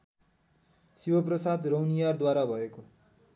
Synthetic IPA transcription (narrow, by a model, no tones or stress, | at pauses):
sibʌprʌsad̪rʌwnijard̪waɾabʱʌeko